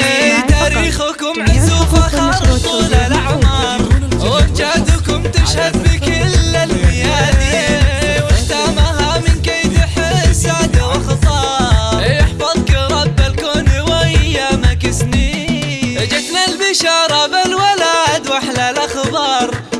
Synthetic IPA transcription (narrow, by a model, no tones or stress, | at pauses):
t̪aːɾiːxʊkʊmħɪsuːfaxatˤfˤuːlalaʕmɑɾˤɪnd͡ʒad̪ʊkʊmt̪ɪʃhad̪bɪkɪlːalmɪjaːd̪i | wɪxt̪aːmaɦamɪnkajd̪ɪħsaʕd̪awɪxɑt̪ˤɑːjɪħfɑðˤkɪɾˤɑbːalkoːnɪwaʔɪjːamakɪsniʔɪd͡ʒɪt̪nalbaʃɑːɾˤɑbɪlwalaːd̪waħlalaxbɑːɾˤ